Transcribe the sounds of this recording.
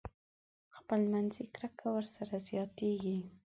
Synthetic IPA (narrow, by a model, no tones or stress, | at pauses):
xpəlmanzikɾakawəɾsaɾazjɑt̪eɡi